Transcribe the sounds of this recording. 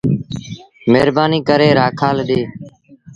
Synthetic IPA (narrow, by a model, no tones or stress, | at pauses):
meːɾbaːniːkəɾeːɾaːkʰaːlɗeː